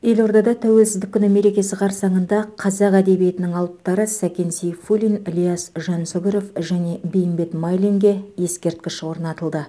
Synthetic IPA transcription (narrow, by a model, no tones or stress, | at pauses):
je̞lo̞ɾd̪ɑd̪ɑt̪ʰæwe̞lsɪzd̪ɪkʲːʏnɪme̞ɾe̞kʲe̞sɪqʰɑɾsɑɴənd̪ɑqʰɑzɑqæd̪e̞bijet̪ɪnɪŋɑlˠəp̚t̪ɑɾəsækʲe̞nsijfulʲinlʲijasʒɑnsoɡʲeɾo̞fʒæne̞bejɪmbe̞t̪mɑjliŋɡʲe̞je̞skʲe̞ɾt̪̚kʲɪʃwo̞ɾnɑt̪əlˠd̪ə